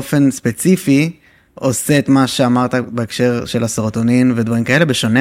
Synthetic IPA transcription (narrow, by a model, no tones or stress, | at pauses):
ofe̞nspe̞t͡sifi | oseːt̪maʃe̞amaʁt̪abeekʃe̞ʁʃe̞lasoʁt̪oninved̪vaʁimkae̞le̞beʃone